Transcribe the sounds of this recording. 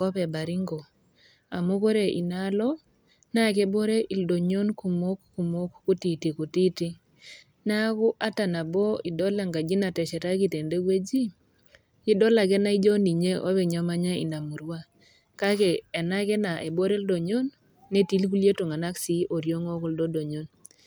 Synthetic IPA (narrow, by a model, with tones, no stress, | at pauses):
kɔ˦pɛ˨ba˨ɾi˦ŋɡo˨ | a̰˨mo˦ko˦ɾe˨ʔi˨na˦lɔ˦ | na˦˨ke˦bo˦ɾe˦ʔi˨ldo˨ɲo˦nku˨mo˦kːu˨mo˦kːu˦ti˨ti˨ku˨ti˦ti˦ | na˦kʊ˦ʔa˦ta˨na˨bɔ˦i˨dɔ˦la˨ŋɡa˨d͡ʒi˦na˨tɛ˨t͡ʃɛ˨ɾa˦ki˨te˨nde˦ɡwe˦d͡ʒi˦ | i˦dɔ˦la˨k̬ɛ˦na˦i˦d͡ʒɔ˦ni˨ɲe˦ʔo˦bɛ˨ɲɔ˨ma˦ɲa˦ḭ˨na˨mu˨ɾwa˦ | ka˦kɛː˨na˦kɛ˦na˨ʔe˨bo˦ɾe˦ldo˨ɲo˦nː | e˦ti˦lku˦lje˦to˨ŋa˨na˦ksi˦ʔo˨ɾjo˦ŋɔ˦ku˦ldɔ˦do˨ɲo˦n